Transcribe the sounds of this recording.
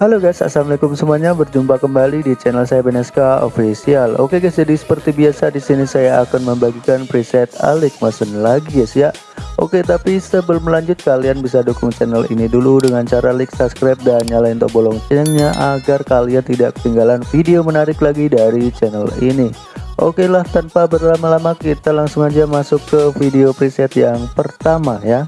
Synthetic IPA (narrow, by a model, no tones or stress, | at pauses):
haloɡajsa̰samlikʊmsəmuaɲabərd͡ʒumpakəmbalidit͡ʃɛnəlsajabənɛskao̰fisialo̰keɡasidisə̥pərt̪ibiasadisinisajaːkanməmbaɡikanpɾisɛt̪a̰lɪk̚masənlaɡisjaʔ | ʔo̰ket̪apisəbəlməlaɲd͡ʒʊt̪̚kalianbisadukʊŋt͡ʃɛnəlḭniduludəŋant͡ʃaɾalɪk̚saskɾap̚danɲalaɪnt̪ɔ̰bolɔŋt͡ʃəəŋɲaʔaɡarkaliant̪idaʔk̚t̪iŋɡalanfideomənaɾɪklaɡidaɾit͡ʃɛnəlini | ʔo̰kelaht̪anpabərlamalamakit̪alaŋsʊŋad͡ʒamasʊkːəfideopɾisɛt̪jaŋpərt̪amaja